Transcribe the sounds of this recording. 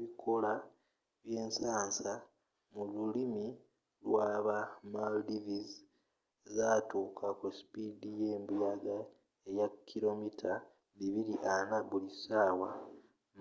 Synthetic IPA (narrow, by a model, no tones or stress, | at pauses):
βikʰola | βje̞ːnsaːnsa | mululimi | lwaːβamaldiviz | zaːtuːkʰakuspidijeːmbijaɡa | ejakʰːilo̞mitʰa | βiβiɾiʔanaβulisaːwa